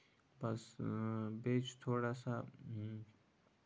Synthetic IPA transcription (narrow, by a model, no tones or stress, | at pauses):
bɐs | beːt͡ʃt̪ʰoːɽasa